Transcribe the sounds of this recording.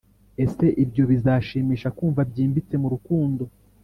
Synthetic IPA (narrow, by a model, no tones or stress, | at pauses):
e̞se̞ʔibjo̞βizaːʃimiʃakuːɱvabɟiːmbit͡se̞muɾukuːndo̞